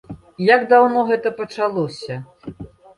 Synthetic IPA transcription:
jaɡd̪awnɔɣɛt̪ɐpɐt͡ʂalˠɔsʲɐ

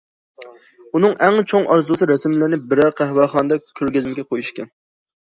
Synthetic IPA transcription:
unɨŋæŋt͡ʃʰoŋʔɑ̰ɾzusɨɾɛsɪmlɪɾnɪbɪɾæɾqʰæɦwæχɑnɨd̪ɑkʲʰøɾɡʲɪzɪmɪɡʲɛqʰojuʃkʲɛn

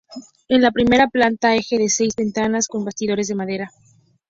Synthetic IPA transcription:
e̞nlapɾime̞ɾaplant̪aexe̞ðe̞se̞jzβe̞nt̪anasko̞mbast̪ið̞o̞ɾe̞zð̞e̞maðe̞ɾa

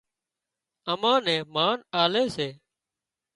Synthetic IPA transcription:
əmãːnẽːmaːnaːleːseː

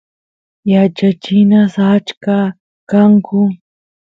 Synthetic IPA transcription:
jat͡ʃat͡ʃɪnasat͡ʃka | kaŋkʊ

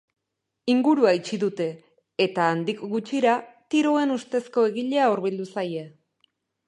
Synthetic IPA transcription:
iŋɡuɾuait͡ʃiðut̪e̞ː | t̪aːnd̪ikɡut͡ʃiɾat̪iɾoe̞nust̪e̞sko̞e̞ɣiʎe̞auɾβild̪usaje

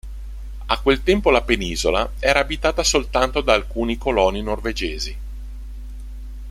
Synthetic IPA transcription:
akːwelt̪ɛmpolapeniːzolaɛːɾaːbit̪aːt̪asolt̪ant̪od̪aːlkuːnikolɔninorved͡ʒeːzi

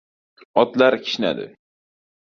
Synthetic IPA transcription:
ɒt̪laɾkʲʰɪ̥ʃna̰d̪ɪ̰

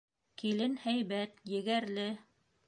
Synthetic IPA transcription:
kilɘnhæjβæt̪jɘ̆ɡæɾlɘ

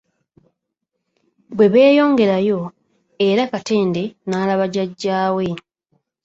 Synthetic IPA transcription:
bwe̞βe̞ːjo̞ːŋɡe̞ɾajo̞ | eɾakate̞ːnde̞naːlaβaɟaɟːaːwe̞

